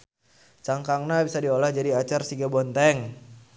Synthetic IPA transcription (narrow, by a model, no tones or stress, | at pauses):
t͡ʃaŋkaŋnabisadiolahd͡ʒadiat͡ʃarsiɡabɔnt̪ɛŋ